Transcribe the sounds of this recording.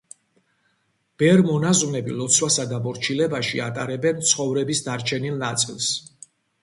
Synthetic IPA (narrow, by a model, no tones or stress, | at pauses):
b̥ɛɾmɔnaznɛbilɔt̪sʰwasad̪abɔɾt͡ʃʰilɛbaʃḭat̪ʼaɾɛbɛnt̪sʰχɔvɾɛbisd̪aɾt͡ʃʰɛnilˠnat̪sʼilˠs